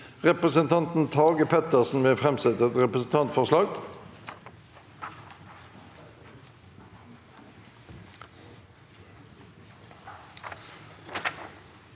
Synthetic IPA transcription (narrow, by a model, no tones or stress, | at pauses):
ʁɛpʁəsənt̪ʰɑnt̪n̩t̪ʰɑːɡəpʰɛt̪əʁsn̩ʋeːfʁɛmsɛt̪əɛt̪ʁɛpʁəsn̩t̪ʰɑnt̪fɔʁslɑːɡ